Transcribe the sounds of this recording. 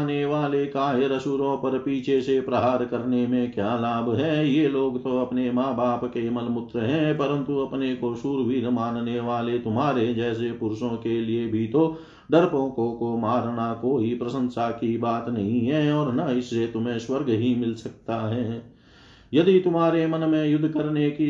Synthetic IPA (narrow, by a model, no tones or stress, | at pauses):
neʋaːlekaːɦeɾɐsuːɾõpɐɾpiːt͡ʃʰesepɾɐɦaːɾkɐɾnemẽkjaːlaːbɦɛːjeloːɡt̪oɐpnemaːbaːpkeməlmʊt̪ɾəɦɛ̃pɐɾə̃nt̪uɐpnekoʃuːɾbiːɾmaːnneʋaːlet̪ʊmɦaːɾed͡ʒɛːs̬epʊɾʃõkeliebʱit̪o | ɖɐɾpõːkõkomaːɾnakoːipɾəsə̃nsakibaːt̪nɐɦĩɦɛɔːɾnaɪsːet̪ʊmẽswəɾɡɦimɪlsɐk̚t̪aɦɛː | jɐd̪it̪ʊmɦaːɾemənmẽjʊd̪ʱːkəɾneki